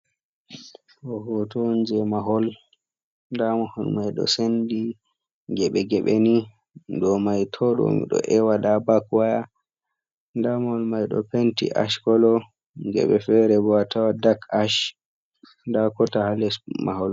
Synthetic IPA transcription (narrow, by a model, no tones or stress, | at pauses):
ɔhɔtɔnd͡ʒɛmaɦɔl | ndamahɔlmajɗɔ̰sendi | ɡɛɓɛɡɛɓeni | ndɔmajtʰɔɗɔ̰mḭɗɔ̰ʔɛwaɗabakwaja | ndamahɔlmajɗɔ̰pentḭʔa̰ʃkɔlɔ | ɡɛ̰ɓɛfɛɾɛbɔatʰawadakaʃ | dakɔtahalɛsma̰hɔl